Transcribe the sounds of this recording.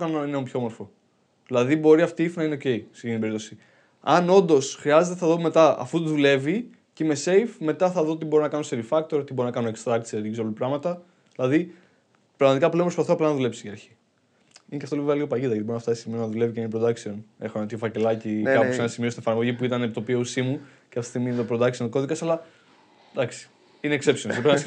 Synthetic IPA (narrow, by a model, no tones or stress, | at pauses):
kɐnnɐneompçoe̞mo̞ɾfo | ðilɐðibo̞ɾiɐft̪iifnɐineoce̞isecint̪ibeɾipt̪osi | ɐno̞nd̪o̞sxɾiɐze̞t̪eθɐðo̞me̞t̪ɐɐ̰fut̪uðule̞vi | cime̞se̞jfme̞t̪ɐθɐðo̞t̪ibo̞ɾinɐkɐnunseɾifɐk̚t̪o̞ɾot̪ibo̞ɾinɐkɐnunekst̪ɾɐk̚t̪sɐðicisolt̪pɾɐɣmɐt̪ɐ | ðilɐði | pɾɐɣmɐt̪ikɐpule̞mpɾspɐθoɐplɐnɐðule̞psiiɐɾçi̥ | ineceɐft̪oiveveɐliɣo̞pɐʝiðɐʝɐt̪ibɾinɐft̪ɐsstimionɐðule̞viceinipɾo̞d̪ɐksio̞nḛxonɐnt̪iofɐce̞lɐcikkɐosenɐsimiost̪nefɐɾmo̞ʝipuit̪ɐnept̪o̞piousimu | cefi̥st̪iɣmiinet̪opɾod̪ɐksiont̪ko̞ðikɐsɐlɐ | d̪ɐksi̥ | ineːkse̞psionspe